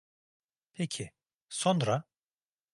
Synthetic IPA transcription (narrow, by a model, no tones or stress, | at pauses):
pʰecʰi | sonɾa